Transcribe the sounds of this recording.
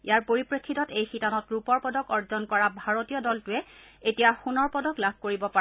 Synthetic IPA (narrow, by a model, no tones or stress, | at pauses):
ijaɹpoɹipɹekʰːitɔtejxitanɔtɹupɔɹpɔdɔkɔɹzɔnkɔɹabʱaɹotijɔdɔltʊɛetijaxunɔɹpɔdɔklabʱkoɹibɔpa